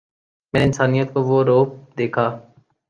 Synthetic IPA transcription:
mɛ̃ːɪnsaːnijət̪koʋoːɾoːp̚d̪eːkʰaː

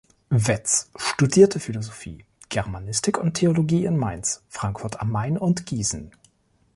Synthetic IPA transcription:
vɛt͡sʃtudiːɐtʰəfilozofḭː | ɡ̥ɛʁmanɪstɪkʊntʰeoloɡiːɪnmaɪnsfʁ̥aŋkfʊɐta̰maɪnʊntɡ̥iːzn̩

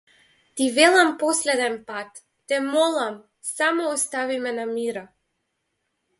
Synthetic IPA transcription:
t̪ivɛlˠampɔslɛd̪ɛnpat̪ː | ɛmɔlˠam | samɔːst̪avimɛnamiɾa

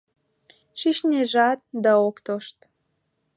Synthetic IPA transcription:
ʃiʃneʒɑt̪̚d̪ɑokt̪oʃt̪

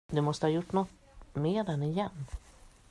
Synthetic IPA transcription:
d̪ɵmɔst̪əhɑːjʊʈːnɔt̪ː | meːd̪ɛnɪjɛnː

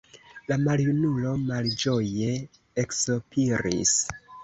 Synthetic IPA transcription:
lamaljunulo̞mald͡ʒo̞je̞ | eksopʰiɾḭs

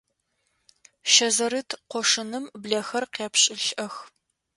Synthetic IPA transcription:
ʃɐzɐɾɨtʰqʷɔʂɨnɨmbɮɐxɐrqeːpʰɕʼɪɬʔɐx

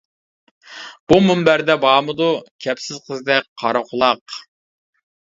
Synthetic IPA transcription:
b̥umumbæɾd̪ɛbɑːmɨd̪ukʲʰɛpsɪz̥qʰəzd̪ɛk̚ʲqʰɑɾoχʊlˠɑq

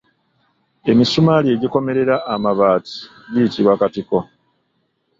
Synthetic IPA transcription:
e̞misumalie̞ɟiko̞me̞ɾe̞ɾaːmaβaːti̥ | βiːtiβwakatiko̞

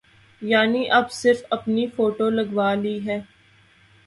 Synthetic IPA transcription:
jaːniʔɐbsɪɾfɐpnifoːʈolɐɡʋaːliɦɛː

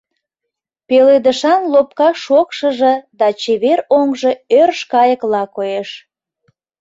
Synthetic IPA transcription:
peled̪əʃɑnlop̚kɑʃokʃəʒə̆d̪ɑt͡ɕeβeɾoŋʒə̆ørʃkɑjəklɑkojeʃ

